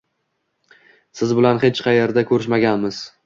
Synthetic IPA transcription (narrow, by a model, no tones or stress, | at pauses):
sɪzbɪlanχet͡ʃqʰɑjeɾd̪akʲʰɵɾɪʃmaɡʲanmɪz̥